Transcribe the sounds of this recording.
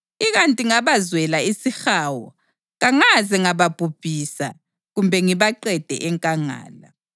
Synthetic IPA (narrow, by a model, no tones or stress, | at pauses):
iɣantʼiŋaβazwɛlaisixaːwɔ | ɣaŋazɛŋaβab̥ʱub̥ʱiːsa̰ | ɣumbʱɛŋiβaǃɛd̥ʱɛ̰ʔɛŋkʼaŋa̰ːla